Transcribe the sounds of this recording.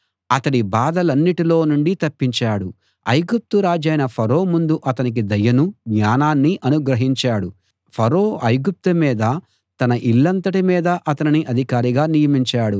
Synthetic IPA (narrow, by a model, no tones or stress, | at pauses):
ɐt̪ɐɽibaːd̪ɐlɐnːiʈilo̞ːnuɳɖit̪ɐpːiɲt͡ʃaːɽu | ɐ̰jɡup̚t̪uɾaːd͡ʒɐjnɐpʰɐɾoːmund̪uʔɐt̪ɐnik̬id̪ɐjɐnuɡɲaːnaːnːiʔɐnuɡɾɐɦiɲt͡ʃaːɽu | pʰɐɾoːɐjɡup̚t̪umiːd̪ɐ | t̪ɐnɐʔilːɐnt̪ɐʈimiːd̪ɐʔɐt̪ɐniniʔɐd̪ʱikaːɾiɡaːnijɐmiɲt͡ʃaːɽu